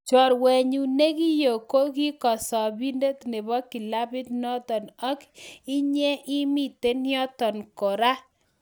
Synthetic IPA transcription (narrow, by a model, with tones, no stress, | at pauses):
t͡ʃɔ˨ɾwɛ˨ɲu˨ne˦ki˦jo˨ko˦ki˦kɔ˨sɔ˨bi˦nde˦tne˨bɔ˦ki˨la˦bɪ˦t̚nɔ˦tɔ˨nɔ˦ki˦ɲɛ˦ʔi˦mi˦te˦njɔ˦tɔ˨nko˨ɾa˦